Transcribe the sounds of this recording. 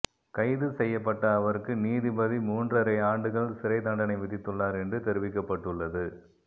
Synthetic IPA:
kɐɪðɯsɛjːɐpːɐʈːɐːʋɐɾɯkːɯniːðibɐðimuːndrɐɾɐɪaːɳɖɯɣɐɭsɪɾɐɪt̪ɐɳɖɐnɐɪʋɪðɪt̪ːɯɭːaːɾɛndrɯt̪ɛɾɯʋɪkːɐpːɐʈːɯɭːɐðɯ

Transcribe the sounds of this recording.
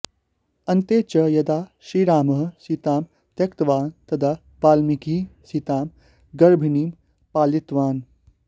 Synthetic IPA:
ɐnt̪eːt͡ʃɐjɐd̪aːʃiɾaːmɐɦsit̪aːm | t̪ɐkt̪ʋaːnt̪ɐd̪a | paːlmikiːsit̪aːm | ɡɐɾbʱiniːm | paːlit̪ʋaːn

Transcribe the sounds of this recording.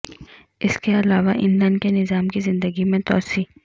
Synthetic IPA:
ɪskeɐlaːʋaʔɪ̰̃nlɛ̃nɖkenɪzaːmkizɪ̃nd̪əɡimẽt̪ɔːsiː

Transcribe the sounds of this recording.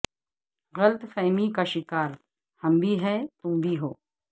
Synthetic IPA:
ɣɐlt̪fɛːmikaʃɪkaːɾ | hɐmbʱiɦɛt̪ũmbʱiɦoː

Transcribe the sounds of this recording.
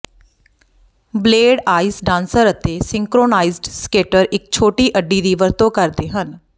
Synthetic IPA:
bleːɖaːisɖãːnsəɾət̪eːsɪ̃ŋkɾoːnaːiːzɖskeːʈəɾɪk̚t͡ʃʰoːʈiːʔəɖːiːd̪iːʋəɾt̪õːkəɾd̪eːɦən

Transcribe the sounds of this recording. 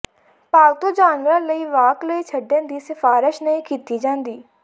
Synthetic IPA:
paːɡt̪oːd͡ʒaːnʋəɾləiːʋaːkləiːt͡ʃʰəɖẽːd̪iːsɪfaːɾɪʃnəĩːkiːt̪iːd͡ʒãːnd̪iː

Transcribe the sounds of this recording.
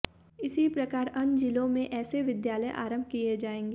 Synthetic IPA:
ɪsipɾɐkaːɾɐ̃nd͡ʒilõmẽʔɛːseʋɪd̪jaːləjʔa̰ːɾə̃mbʱkied͡ʒaːẽːŋɡe

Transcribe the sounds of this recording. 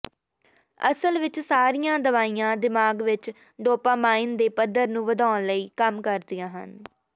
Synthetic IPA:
ə̰səlʋɪt͡ʃsaːɾijãːd̪əʋaːijãːd̪ɪmaːɡʋɪt͡ʃ | ɖoːpãːmaːɪnd̪eːpəd̪əɾnũːʋəd̪aːnləiːkəmkəɾd̪ijãːɦə̰n

